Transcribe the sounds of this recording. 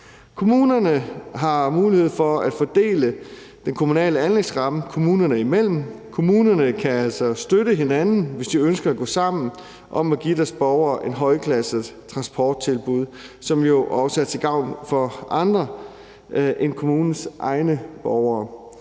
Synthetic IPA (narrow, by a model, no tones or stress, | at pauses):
kʰo̝muːnɐnəɦɑ̈muːlihe̝ð̞̰ˠfɒ̽æd̥fɒ̽d̥e̝̰ːlə | d̥enkʰo̝munɛ̰ːləænleɡ̥sʁɑ̈məkʰo̝muːnɐnəimel̰m̩kʰo̝muːnɐnəkʰææl̰sɒ̽sd̥øɾəɦe̝nænn̩ʋe̝sd̥iønsɡ̥ɐæɡ̥ɔ̰̽ːsɑ̈m̰n̩ | ʔɒ̽mæɡ̥id̥æɐsb̥ɒʊɐːʔe̝nɦɒ̽ɪkʰlæsət͡sʰʁɑ̈nsb̥ʰɒːd̥̚t͡sʰe̝lb̥uð̞̰ˠsɒ̽mjo̝ʔɒ̽səæɐt͡sʰe̝ɡ̥ɑ̈ʊ̰nfɒ̽ʔɑ̈nd̥ʁɐ | ʔenkʰo̝muːnn̩sʔɑ̈ɪnəb̥ɒʊɐː